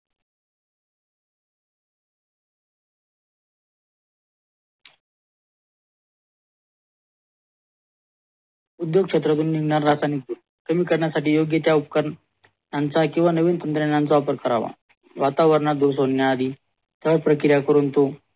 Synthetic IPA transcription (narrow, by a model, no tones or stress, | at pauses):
ud̪joɡ̚kʂet̪ɾat̪̬uːnːiŋɡnaɾːasanikd̪u | kəmiːkəɾɳjasaʈiːjoɡjət̪jaupəkəɾ | nant͡sakĩw̃ʋanəʋiːnt̪ənt̪ɾenãnt͡saːpəɾkəɾa̰ʋa̰ | ʋat̪aʋəɾɳad̪uɾsɦoɳːjaːd̪ʱiː | t̪aʋaɾpɾəkɾjakəɾuːnt̪o